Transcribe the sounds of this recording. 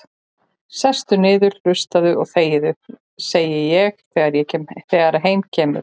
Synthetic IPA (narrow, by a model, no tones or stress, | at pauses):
sɛst̪ʏnɪːðʏɾl̥ʏst̪aðʏʔɔɣθeːjɪðʏ | seːjɪjɛɣθɛːɣaɾjɛcɛmθɛːɣaɾaɦeːjmcʰɛːmʏ̰ɾ̥